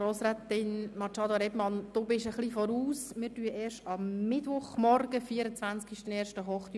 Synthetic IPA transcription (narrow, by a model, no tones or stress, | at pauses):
ɾoːsɾæt̪ɪnmɑt͡ʃɑːd̪oɾɛbmɑnd̥̪oːbɪʃəχlifɔɾuːsmɪtyəeːɾʃtɑmːɪdʋʊχmɔrɡ̥əfiːəɾət͡sʋænt͡skiʃtəneːɾʃtəɦɔχt̪y